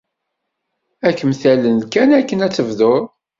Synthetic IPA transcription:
ækːəmθælənkænækːənæt͡sːəvðoɾˤ

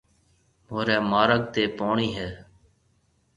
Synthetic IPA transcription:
moːɾɛːmaːɾək̚t̪eːpoːɳiːɦɛː

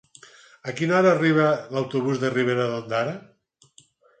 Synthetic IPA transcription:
akinɔɾaːriβ̞alawt̪uβuzðeriβ̞eɾaðond̪aɾa

